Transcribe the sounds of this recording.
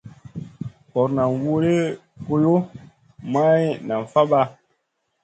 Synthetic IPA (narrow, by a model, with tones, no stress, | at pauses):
kɔ˨ɾna˨nwo˦ɾe˦ko˦jo˦ | ma˦jna˨ɱ˨fa˦ba˦